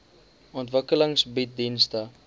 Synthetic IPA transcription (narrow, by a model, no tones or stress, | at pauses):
ɔntvəkələŋsbit̚dinstə